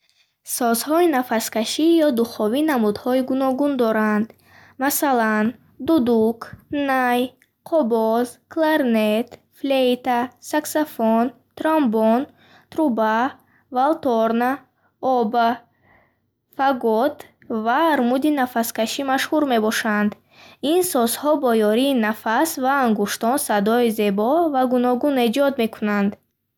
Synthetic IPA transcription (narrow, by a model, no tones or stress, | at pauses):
sɔzhɔinafaskaʃijɔd̪uχɔvinamud̪hɔiɡunɔɡund̪ɔɾand̪ | masalan | d̪ud̪ukʰnaj | qʰɔbɔzkʰlaɾnet̪ | flejt̪asaksafon | t̪ɾambon | t̪ɾuba | valt̪ɔɾna | ɔba | faɡɔt̪ | vaːɾmud̪inafaskaʃimaʃhuɾme̞bɔʃand̪ | insɔzhɔbɔjɔɾiːnafasvaːŋɡuʃt̪ɔnsad̪ɔize̞bɔvaɡunɔɡune̞d͡ʒɔd̪me̞kʰunand̪